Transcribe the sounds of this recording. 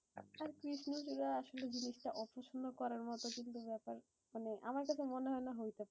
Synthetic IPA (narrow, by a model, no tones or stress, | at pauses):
aɾkɾiʃnud͡ʑoɾaaʃoled͡ʑiniʃʈaʔɔpoʃond̪okɔɾaɾmɔt̪okint̪ubɛpaɾ | maneʔa̰maɾkat͡ɕʰemoneɦɔenaɦojt̪epae